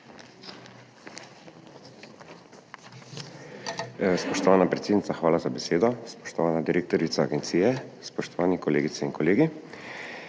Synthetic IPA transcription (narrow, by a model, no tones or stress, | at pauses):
spɔʃt̪ɔʋaːnapɾet̪seːd̪nit̪saxʋaːlazabeseːd̪ɔspɔ̥ʃt̪ɔʋaːnad̪iɾeːkt̪ɔɾit̪saːɡɛnt̪siːjɛspɔʃt̪ɔʋaːnɛkɔlḛːɡit̪sɛinkɔleːɡi